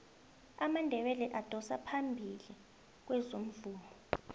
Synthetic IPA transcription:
amandʱɛɓɛlɛʔad̥ʱɔsapʰambʱili | k̬wɛzom̩vuːlɔ

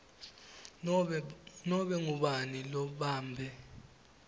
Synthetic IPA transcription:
nɔɓɛŋuɓanilɔɓaːmbʱɛ

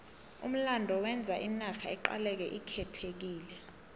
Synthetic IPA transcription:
ṵm̩landʱɔwɛnd͡zʱaʔinaxaɛǃa̰lɛk̬ɛʔikʰɛtʰek̬iːlɛ

